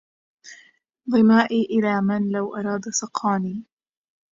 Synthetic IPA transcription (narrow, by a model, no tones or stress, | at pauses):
ðˤɨmaːʔiːʔɪlaːmanlawʔɑɾˤɑːd̪asɑqʰɑːniː